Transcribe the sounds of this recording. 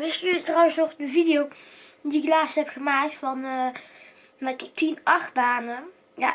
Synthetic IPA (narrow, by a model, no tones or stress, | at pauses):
ʋɪstytrɔwənsnɔχdəvidɪjowdiɪklaːstɦɛpχəmaːk̚tfɑnə | mɛtɔtːinʔɑχbaːnə | ja̰